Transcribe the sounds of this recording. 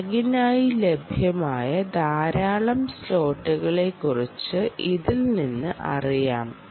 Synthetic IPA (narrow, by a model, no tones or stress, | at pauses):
ɐɣinaːjile̞bʱjɐmaːjɐd̪ʱaːɾaːɭɐmslo̞ːʈːuɣɐɭe̞kːurit͡ɕːɨiðilninːɨʔɐ̰rijaːm